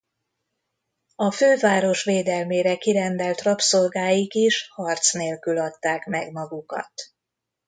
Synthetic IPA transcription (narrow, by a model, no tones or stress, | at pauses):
ɒføːvaːɾo̞ʃʋeːd̪ɛlmeːɾɛkiɾɛnd̪ɛlt̪rɒpso̞lɡaːjikiʃhɒrt̪sneːlkylɒt̪ːaːkmɛɡmɒɡukɒ̰t̪